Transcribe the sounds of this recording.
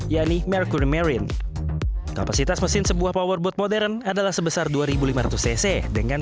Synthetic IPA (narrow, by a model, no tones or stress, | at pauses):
jaʔnimɛrkuɾimɛɾiən | ka̰pasit̪asməsɪnsəbuahpawərbɔt̪̚modɛɾənadalahsəbəsarduaɾibulimaɾa̰t̪usɛsɛdəŋan